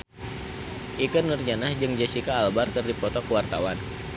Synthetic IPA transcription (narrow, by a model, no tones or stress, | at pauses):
ʔikənːurd͡ʒanahd͡ʒɨŋd͡ʒasikaːlbarkɨrdipɔt̪ɔkəwart̪a̰wan